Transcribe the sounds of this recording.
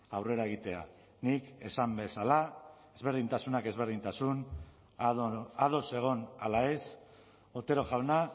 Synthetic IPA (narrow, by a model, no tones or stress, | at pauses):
awre̞ɾae̞ɣ̞it̪e̞a̰ | nike̞sambe̞sala | e̞zβe̞ɾð̞int̪asunake̞zβe̞ɾð̞int̪asun | að̞o̞se̞ɣ̞o̞na̰laes | ot̪e̞ɾo̞ʝawna